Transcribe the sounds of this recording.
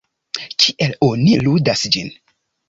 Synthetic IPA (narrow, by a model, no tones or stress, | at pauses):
kʰiʔeloniludasd͡ʒin